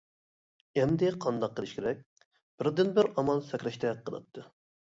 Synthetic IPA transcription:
ɛnd̪ɪqʰɑnd̪ɑqʰːəlˠɪʃkʲeɾɛk̚ʲ | b̥ɪɾd̪ɪnbɪɾɑmɑlˠsɛkʲɾɛʃt̪ʰɛqʰːəlˠɑ̰t̪ʰːɨ

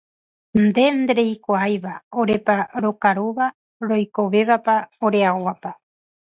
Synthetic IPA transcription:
nd̪e̞nd̪eɾejkʷaajʋaoɾepaɾokaɾuʋa | ɾo̞jko̞ʋe̞βapaoɾeaowapa

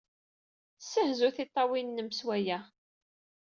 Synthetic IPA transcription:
sːəhzuθɪt̪ˤːɑwinnːəmswæjæ

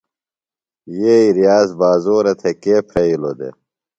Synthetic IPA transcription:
jeiɾijaːzbaːzoːɾɐt̪ʰekeːpʰɾɐilo̰d̪ḛ

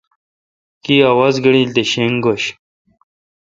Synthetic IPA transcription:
kiawɐzɡəɽilt̪eɕeŋɡoɕ

